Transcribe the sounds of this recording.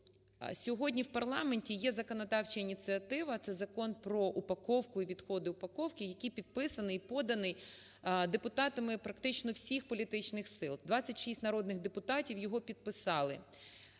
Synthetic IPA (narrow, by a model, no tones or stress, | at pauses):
sʲɔɦɔdʲnʲiwpɐrlˠɑmenʲtʲijɛzɐkɔnɐd̪ɑwt͡ʃɐinʲit͡s̪ʲɨɐt̪ɪʋɐt̪sɛzɐkɔnpɾɔʔupɐkɔwkʊiʋʲid̪xɔd̪ɪʊpɐkɔwkɪjɐkʲipʲid̪̚pɪsɐnɪjpɔd̪ɐnɪj | d̪epʊt̪ɑt̪ɐmɪpɾɐkt̪ɪt͡ʃnɔwsʲixpɔlʲit̪ɪt͡ʃnɪxsɪlˠd̪ʋɑt͡sʲːɐtʲʃisʲtʲnɐɾɔd̪nɪɣd̪epʊt̪ɑtʲiwjɔɦɔpʲid̪̚pɪsɑlˠɪ̰